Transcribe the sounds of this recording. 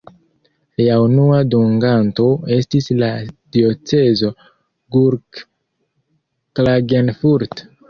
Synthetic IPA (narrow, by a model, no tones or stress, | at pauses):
liaunuaduŋɡanto̞e̞stislad̥io̞t͡se̞zo̞ | ɡuɾk | klaɡenfuɾt